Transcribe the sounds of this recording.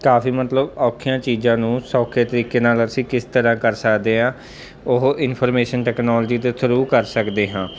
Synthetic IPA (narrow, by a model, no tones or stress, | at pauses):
kaːfiːmət̪ləbɔːkʰɪjãːt͡ʃiːzãːnũːsɔːkʰeːt̪əɾiːkeːnaːləɾsiːkɪst̪əɾãːkəɾsəkd̪eːãː | ʊɦʔɪnpʰɔːɾmeːʃənʈɛːknɔːlːd͡ʒiːt̪esʰəɾuːkəɾsəkd̪eːɦãː